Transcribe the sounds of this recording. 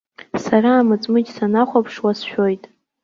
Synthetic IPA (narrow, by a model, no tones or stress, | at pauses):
saraːmɨt͡sʼmɨd͡ʒʲsanaχʷapʰʂwasʃᶣojtʼ